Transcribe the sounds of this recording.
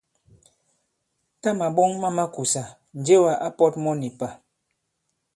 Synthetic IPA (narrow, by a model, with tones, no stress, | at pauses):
ta˦ma˨ɓɔ˦ŋma˦ma˦ku˨sa˨ | n̩˨d͡ʒe˦wa˨ʔa˦pɔ˦tmɔ˦ni˨pa˨